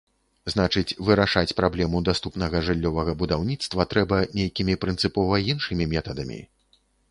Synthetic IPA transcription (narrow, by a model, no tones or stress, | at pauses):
znat͡ʂɨt͡sʲvɨɾaʂat͡sʲpɾablʲɛmud̪ast̪upnɐɣɐʐɨlʲːɔvɐɣɐbud̪awnʲit̪st̪vɐt̪ɾɛbɐnʲejkʲimʲipɾɨnt̪sɨpɔvɐinʂɨmʲimʲɛt̪ɐd̪ɐmʲḭ